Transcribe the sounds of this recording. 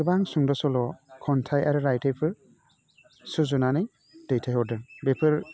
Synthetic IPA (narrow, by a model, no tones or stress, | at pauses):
ɯbaŋsuŋdɔsɔlɔkʰɔntʰajaɾɯɾajtʰajpʰɯɾ | sɯzunanɯj | d̥ejtʰajɦɔdɯnbepʰɯɾ